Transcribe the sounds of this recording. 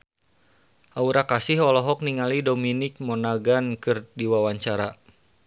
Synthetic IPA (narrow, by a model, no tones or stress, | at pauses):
ʔauɾakasiɦɔlɔɦɔk̚niŋalidominɪk̚mɔnaɡankɨrdiwawaɲt͡ʃaɾa